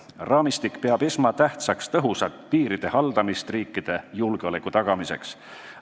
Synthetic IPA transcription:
rɑːmist̪ikpeɑb̥esmɑt̪æht̪sɑkst̪ɤɦusɑt̪ːˑpiːɾid̪̥e̞hɑld̪̥ɑmist̪riːkːˑid̪̥e̞julɡ̥eo̞lekːˑut̪ɑɡ̥ɑmise̞̰ks

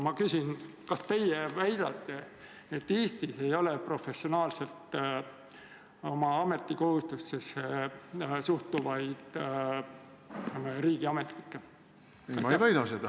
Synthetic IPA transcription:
mɑkysin | kɑst̪e̞jevæjd̪̥ɑ̰t̪ːe̞ | et̪ːeːst̪ise̞jo̞lepro̞fe̞sionɑːlse̞lt̪ | o̞mɑɑme̞t̪ːiko̞hust̪usesːe | suht̪uvɑjd̪̥ | meɾiːɡ̥iɑmet̪ːˑikːe | mvæjd̪ɑsed̪̥ɑ

